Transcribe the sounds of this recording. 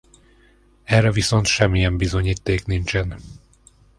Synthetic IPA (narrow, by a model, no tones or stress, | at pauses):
ɛrːɛviso̞nt̪ʃɛmːijɛmbizo̞ɲiːt̪ːeːknint͡ʃɛn